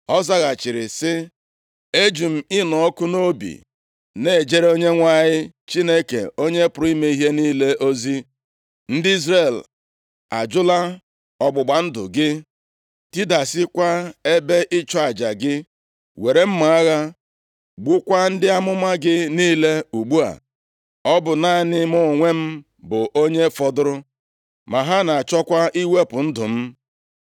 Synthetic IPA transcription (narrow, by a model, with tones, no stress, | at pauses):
ɔ˦za˦ɣa˨t͡ʃɪ˨ɾɪ˨sɪ˦ | e˦d͡ʒu˨m̩˨ɪ˦nɔ˨ɔ˦kʊ˦no˦bḭ˨ | ne˦˨d͡ʒe˦ɾe˦o˦ɲe˦ŋʷa˦ɲɪ˦t͡ʃi˦ne˦kḛ˨o˦ɲe˦pʊ˨ɾi˦me˦i˦ɦe˦niː˦le˦ʔo˦zi˦ | n̩˦dɪ˦i˦zre˨l | a̰˨d͡ʒʊ˦la˦ | ɔ˨ɡ͡bʊ˨ɡ͡ba˨n̩˦dʊ̰˨ɡɪ˦ | ti˦da˨sɪ˦kʷa˦e˦be˦ʔɪ˦t͡ʃɔ˦a˨d͡ʒa˨ɡɪ˦ | we˨ɾe˨m̩˦ma˨a˦ɣa˦ | ɡ͡bʊ˦kʷa˦n̩˦dɪ˦a˦mʊ˦ma˦ɡɪ˦niː˦le˦u˨ɡ͡bu˦a̰˨ | ɔ˦bʊ˨na˦˨nɪ˦mʊ˦˨ŋʷe˦m̩˦ | bʊ˨ʔo˦ɲe˦fɔ˦dʊ˦ɾʊ˦ | ma˨ɦa˦na˨a˨t͡ʃɔ˦kʷa˦ʔi˦we˦pʊ˨n̩˦dʊ˨m̩˦